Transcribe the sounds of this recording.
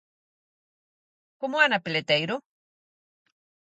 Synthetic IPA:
kʊmʊanapɪlet̪ajɾʊ

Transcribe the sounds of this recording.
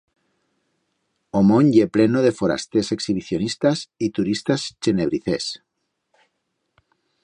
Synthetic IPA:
omõɲjeplenoð̞e̞foɾa̰st̪eseksiβiθjonist̪asit̪uɾist̪ast͡ʃeneβ̞ɾiθḛs

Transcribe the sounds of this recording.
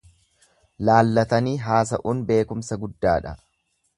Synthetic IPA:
laːlːɐt̪ɐniːɦaːs̬ɐʔuːnbe̞ːkʊmsɐɡʊd̪ːaːᶑɐ

